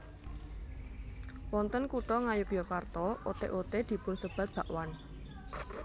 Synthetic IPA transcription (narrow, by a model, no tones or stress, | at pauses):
wɔnt̪ənkuʈɔŋajʊkjɔkart̪ɔot̪ḛʔot̪ed̪̥i̤pʊnsəb̥a̤t̪̚b̥a̤ʔwan